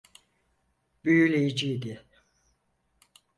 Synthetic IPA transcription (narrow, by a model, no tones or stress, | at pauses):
b̥yjylʲejid͡ʒid̪i